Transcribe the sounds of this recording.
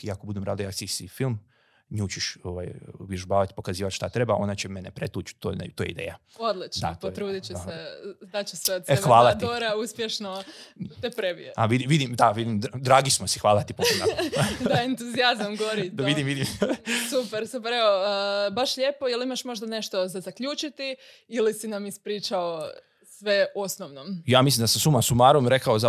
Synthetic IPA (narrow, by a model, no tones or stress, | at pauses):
jakobud̪emɾaːd̪ajaksisifilˠm | ɲut͡ɕiʃoʋa̰jubjeʒubaːʋat̪i̥po̞kaziːʋat̪ʃt̪at̪ɾebaʔo̞nat͡ɕemenepɾet̪uːt͡ʃt̪ot̪oːjeid̪ḛːjaod̪lˠit͡ʃd̪aotpot̪ɾuːd̪it͡ɕused̪at͡ɕuset̪seʋaːlˠat̪ioɾauspjeʃnot̪epɾebḭeaʋid̪imʋid̪imd̪aʋid̪imd̪ɾaːɡismosixʋaːlˠat̪ipona̰d̪aent̪uziazamɡoɾitd̪aʋid̪imʋid̪imsupeɾsupeɾeoəbaʃʎe̞ːpo̞jelimaʃmo̞ʒd̪ane̞ʃt̪o̞zazakʎut͡ʃit̪i | ilisinamispɾiːt͡ʃao | sʋe̞o̞snoʋnomjaːmislimd̪asesumasumaːɾomɾekaoza